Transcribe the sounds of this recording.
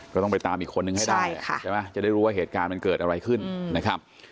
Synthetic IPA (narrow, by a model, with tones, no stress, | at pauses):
kɔː˥˩t̪ɔ˥˩pa˧jt̪aː˧mʔiː˨˩kʰːo˧nːɯ˨˩ŋha˥˩jdaː˥˩˥jkʰa̰˥˩t͡ɕa˥˩ma˦˥t͡ɕa˨˩da˥˩jɾuː˦˥waː˥˩ɦeː˨˩t̪̚kaː˧nma˧nkɤː˨˩t̪̚ʔa˧ɾa˧jkʰɯ˥˩nna˦˥kʰɾa˦˥p̚